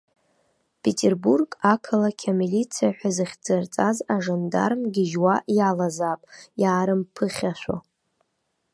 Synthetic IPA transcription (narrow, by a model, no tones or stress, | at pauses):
pʰetʰʼerburɡʼakʰalakʲʰamilit͡sʰijaħʷᶣazɨχʲd͡zɨrt͡sʼazaʐanda̰rmɡʲɪʒwaʔjalazapʼjaːɾɨmpʰɨχʲaʃʷo̰